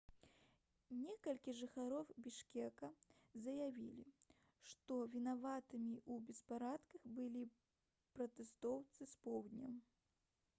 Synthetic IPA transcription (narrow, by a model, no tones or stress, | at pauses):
nʲɛkɐlʲkʲiʐɨxaɾɔwbʲiʂkʲɛkɐzɐjavʲilʲi | ʂt̪ɔvʲinavat̪ɨmʲiʔubʲɛspaɾat̪kɐxbɨlʲi | pɾɐt̪ɛst̪ɔwt̪sɨspɔwd̪ʲnʲɐm